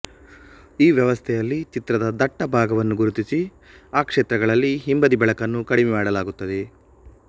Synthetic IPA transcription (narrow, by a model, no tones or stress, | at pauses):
iːʋjɐʋɐst̪ʰɛjɐlːit͡ʃit̪ɾɐd̪ɐd̪ɐʈːɐbʱaːɡɐʋɐnːuɡuɾut̪isi | aːkʂeːt̪ɾɐɡɐɭɐlːiɦimbɐd̪ibɐɭɐkɐnːukɐɽimɛmaːɽɐlaːɡut̪ːɐd̪e̞